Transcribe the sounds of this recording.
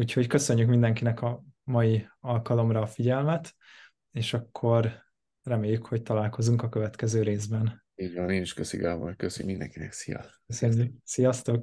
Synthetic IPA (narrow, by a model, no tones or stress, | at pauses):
uːcho̞ckø̞sø̞ɲːykmind̪ɛŋkinɛkɒmɒjiɒlkɒlo̞mrɒːfiɟɛlmɛt̪ | eːʃɒkʰːo̞r | rɛmeːjːykho̞ct̪ɒlaːlko̞zuŋkɒkøvɛt̪kɛzøːɾeːzbɛn | iːɟvɒneːniʃkøsḭɡaːvo̰jkøsmind̪ɛ̰ŋkinɛksijɒ̰s | øsøɲːyksijɒst̪o̞k